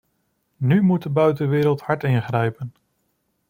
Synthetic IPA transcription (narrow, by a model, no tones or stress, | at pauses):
nymut̚dəbœɥtənʋɪːɾəlˠthɑɹtɪnχrɛjpən